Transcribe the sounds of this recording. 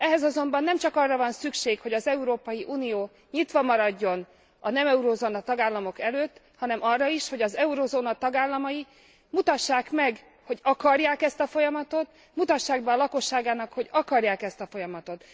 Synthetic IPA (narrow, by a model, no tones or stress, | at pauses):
ɛɦɛzɒzo̞mbɒnːɛmt͡ʃɒkɒrːɒvɒnsykʃeːkho̞ɟɒzɛuɾoːpɒjiʔuːnijoː | ɲit̪ʋɒmɒɾɒɟːo̞n | ɒnɛmɛuɾoːzoːnɒt̪ɒɡaːlːɒmo̞kɛløːt̪ː | hɒnɛmɒrːɒiʃho̞ɟɒzɛuɾoːzoːnɒt̪ɒɡaːlːɒmɒji | mut̪ɒʃːaːkmɛɡ | ho̞ɟɒkɒrjaːkɛst̪ɒfo̞jɒmɒt̪o̞t̪ | mut̪ɒʃːaːɡ̚bɛːlɒko̞ʃːaːɡaːnɒkho̞ɟɒkɒrjaːkɛst̪ɒfo̞jɒmɒt̪o̞t̪